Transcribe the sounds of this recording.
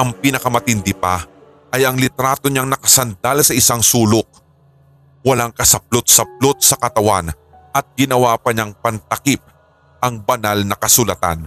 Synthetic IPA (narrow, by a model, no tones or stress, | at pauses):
ʔɐŋpinɐkɐmɐt̪ɪnd̪ɪpɐ | ʔɐjʔɐŋlɪt̪ɾaːt̪o̞ɲaŋnɐkɐsɐnd̪alsɐʔɪsaŋsuːlok̚ | wɐlaŋkɐsɐp̚lot̪̚sɐp̚lot̪̚sɐkɐt̪ɐwan | ʔɐt̪̚ɡɪnɐwaːpɐɲaŋpɐnt̪ɐkip̚ | ʔɐŋbɐnalnɐkɐsʊlat̪a̰n